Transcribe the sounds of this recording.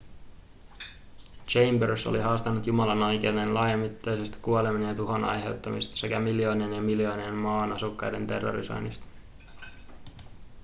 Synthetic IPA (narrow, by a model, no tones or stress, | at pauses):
t͡ʃe̞jmberso̰liɦɑːst̪ɑnːut̪jumɑlɑno̞jk̟enenlɑːjɑmːit̪ːɑjsest̪ɑ̥kuo̞leminjɑt̪uɦonɑ̰jɦe̞̰wt̪ːɑmist̪ɑ̥se̞kæmiljo̞ːnenjɑmiljo̞ːnienmɑːnɑsukːɑjdent̪e̞̰rːo̰ɾḭso̞̰jnist̪ɑ̥